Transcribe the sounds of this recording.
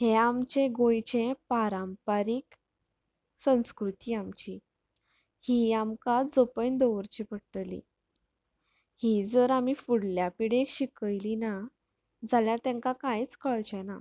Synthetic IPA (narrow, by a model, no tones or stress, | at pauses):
heamt͡ɕẽɡõjt͡ɕẽpaɾampaɾik | sə̃w̃skɾut̪iːamt͡ɕi | hiamkad͡zopəjnd̪oʋəɾt͡ɕipəɽʈlḭ | hid͡zəɾamiːfuɽljapiɽekɕikəjlina | d͡zaljaɾt̪ãŋkakãjt͡skəɭt͡ɕɛ̃na